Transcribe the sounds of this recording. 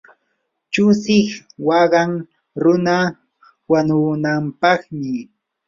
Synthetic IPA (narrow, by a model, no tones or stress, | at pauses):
t͡ʃʊsɪχwɑɢɑŋ | ɾʊna | wanʊnampɑχmɪ